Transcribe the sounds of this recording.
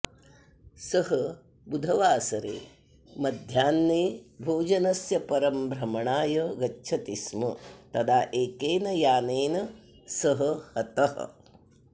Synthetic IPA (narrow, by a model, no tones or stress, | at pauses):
sɐɦɐ | bud̪ʱɐʋaːsɐɾḛː | mɐd̪ʱjaːnːeːbʱoːd͡ʒɐnɐsjɐpɐɾɐmbɾɐmɐɳaːjɐɡɐtːt͡ʃʰɐt̪ismɐt̪ɐd̪aːʔeːkeːnɐjaːneːnɐ | sɐɦɐ̆hɐt̪ɐɦɐ̰